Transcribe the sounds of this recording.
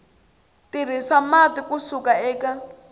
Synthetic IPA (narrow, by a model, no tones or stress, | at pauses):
tiɾ̤isamat̪ikusukaɛːka